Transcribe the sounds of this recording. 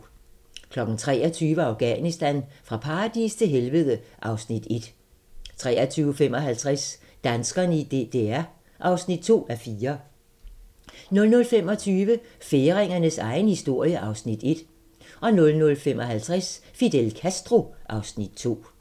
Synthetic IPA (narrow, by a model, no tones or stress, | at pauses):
kʰlɒ̽ɡ̥n̩t͡sʰʁɛ̰ːɐt͡sʰyːʋəɑ̈ʊɡ̥ænisd̥ænfʁɑ̈pʰɑ̈ːd̥ist͡sʰe̝lɦelʋəðˠəʔɑ̈ʊsnid̥e̝d̥ | t͡sʰʁɛ̰ːɐt͡sʰyːʊfemɒ̽ɦælt͡sʰʁas | d̥ænsɡ̥ɐnid̥ed̥eæɐ | ʔɑ̈ʊsnid̥̚t͡sʰo̝̰ːæfiːɐ | nɔ̽lnɔ̽lfem̰ɒ̽t͡sʰyːʋə | fe̝ːʁeŋɐnəsɑ̈ɪnəhisd̥o̝ɐ̰jəʔɑ̈ʊsnid̥e̝d̥ | ʔɒ̽nɔ̽lnɔ̽lfem̰ʔɒ̽ɦælt͡sʰʁasfid̥elkʰæsd̥ʁo̝ʔɑ̈ʊsnid̥̚t͡sʰo̝̰ː